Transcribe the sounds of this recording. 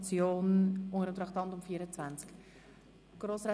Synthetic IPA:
t͡sjoːnʔʊŋəɾəmtɾɑχtɑntʊmfiːəɾət͡svænt͡sk | ɡ̥roːsrɛ

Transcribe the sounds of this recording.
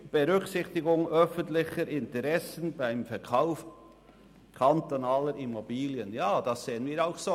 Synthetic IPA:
b̥eʁʏksɪçtɪɡʊŋœfəntlɪçəɾʔɪntəʁɛsənbaɪmfɛɾkʰaʊf | kʰantonaːləɾʔimobiːljənjaːd̥ɑsseːənviːɾaʊxso

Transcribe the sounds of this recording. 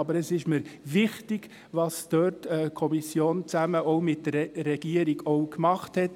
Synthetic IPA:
ɑbəɾɛsɪʃməɾvɪχtɪɡ̥ | ʋɑsd̥øːɾtɛkʰɔmisjoːnt͡sæməɔʊmɪt̚dəɾɾɛɡ̥iəɾiɡɔʊkmɑχthɛt

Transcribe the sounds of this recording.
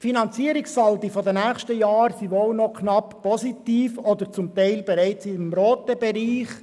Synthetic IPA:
finɑnt͡siəɾɪksɑldifɔdənæːχʃtəjɑːɾsiʋoːlnɔkʰnɑppɔzitiːfɔd̪əɾt͡sʊmtæɪlbɛɾɛɪt͡sɪmɾoːt̪əb̥ɛɾiːχ

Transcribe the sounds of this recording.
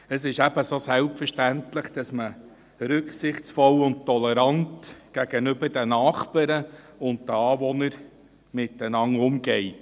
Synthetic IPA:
əsɪʃæb̥əsoːsælpfəʃtæntləχd̥ɑsmə | ɾʏkχsɪχt͡sfɔlʊnt̚tɔlɛɾɑntɡ̥æɡ̥ənʏbədənɑːχpəɾə | ʊntdəɑːvɔnəɾ | mɪtːənɑŋːʊmɡɛɪt

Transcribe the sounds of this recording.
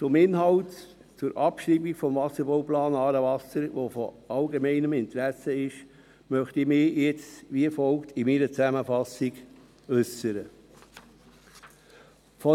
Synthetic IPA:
t͡sʊmɪnɦɑlt | t͡sʊɾʔɑpʃɾiːbikfɔmvɑsəɾbɔʊplɑːnɑːɾəvɑsəɾʋofɔ̰ | ɑlɡemɛɪnəmɪnt̪ɾæsəɪʃ | mœχtimɪːjɛt͡sʋiəfɔlktʰɪmiɾət͡sæməfɑsiɡ | œsəɾə | fɔ

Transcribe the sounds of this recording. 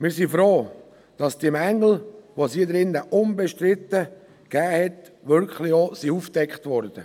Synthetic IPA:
mɪːɾsifɾoː | d̥ɑsd̥emæŋːl̩ʋosiːd̪ɾɪnːəʔʊnbɛʃtrɪtːə | ɡ̥æːhɛt | ʋʏɾkχliosiːuːfd̥ɛkχtvɔɾd̥ə

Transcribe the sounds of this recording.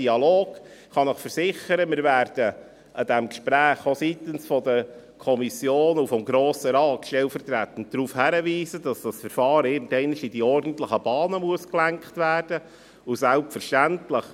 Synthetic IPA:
iɑloːɡ̥χɑnəχfəɾsɪχəɾəmɪɾvæːɾd̥ə | ʔəd̥ɛmkʃpɾæːχosit̪ənsfɔd̪ə | kʰɔmisjoːnufɔmɡɾoːsəɾɑːt̪ʃtɛlfəɾtɾæt̪ːən̩dɾuːfhæɾəviːzədɑsd̥ɑsfəɾfɑːɾɪɾndɛɪnɪʃidiɔrd̥n̩t̪ləχəb̥ɑːnəmuəsklæŋkχtvæːrd̥ə | usælpfəɾʃtæntləχ

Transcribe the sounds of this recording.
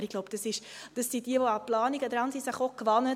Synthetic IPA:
ɾɪɡ̥loʊbd̥ɑsɪʃd̥əsːid̥iəvoɑplɑːniɡədɾɑnsisəχokʋɑnə

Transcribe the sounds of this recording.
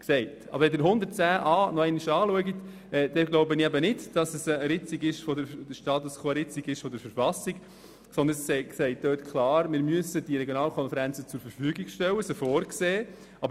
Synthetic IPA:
ksɛɪtɑ̰bəɾɛd̪ɪɾɦʊnd̪ətt͡sæːʔɑːnɔɛɪniʃɑːluəɡit̪ | ɛd̥̪ɛɡloʊbəniæbənɪdd̥ɑsɛsɛɾɪt͡siɡɪʃfɔdəɾd̥əʃtɑːt̪uskʰɑɾɪt͡siɡɪʃfɔd̪əɾfəɾfɑsik | sɔnd̪ənssɛɪksɛɪt̚d̥̪øːtkʰlɑːɾmɪɾmyəsəd̥iɾɛɡjonɑːlkʰɔnfɛɾænt͡sət͡sʊɾfəɾfyːɡiɡʃtɛwːəsəfɔːɾkseː | ɑb

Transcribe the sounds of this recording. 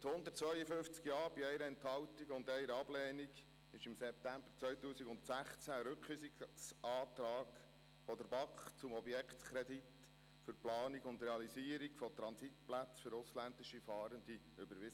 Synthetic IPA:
t̪hʊnd̪ət̚t͡svœʏəfʏnft͡skjɑːɾb̥iɛɪɾəɛnthɑwt̪iɡʊndɛɪɾəɑblɛːniɡ | ɪʃɪmsɛp̚t̪æmb̥əɾt͡sʋœɥt̪uːsiɡʊntsæχt͡sæɾɵkχysiksɑːt̪ɾɑːɡ | fɔd̪əɾbɑkχt͡sʊmɔbjɛkχt̪kʰɾed̪it | fʏɾplɑːniɡʊnd̪ɾɛɑlisiːəɾiɡfɔt̪ɾɑnsit̪plæt͡sfʏɾʊslænd̪ɪʃifɑːɾənd̪i | ʏbəɾʋɪs

